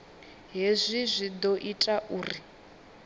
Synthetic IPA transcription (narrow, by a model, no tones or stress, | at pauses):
ɦezʷizʷid̪ɔʔitʼaʔuːri